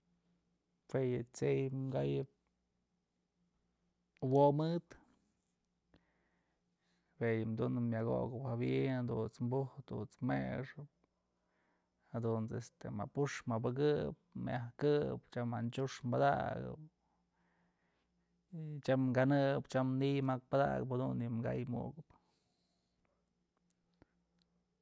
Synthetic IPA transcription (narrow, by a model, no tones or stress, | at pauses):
fejɨt͡sejɡajɨp̚ | womɨt̪ | bejɨmd̪unɨmjaɡo̰ɡɨphabiʔnad̪ut͡smbuhd̪ṵt͡smeʂɨp̚ | had̪unt͡sest̪ema̰puʂmabaɡɨp̚mʔahkɨpt͡ʃamant͡ʃuʂmbad̪a̰ɡɨ̰p | t͡ʃamŋɡanɨpt͡ʃamnijmak̚pad̪a̰ɡɨphad̪unimɡa̰jmṵɡɨp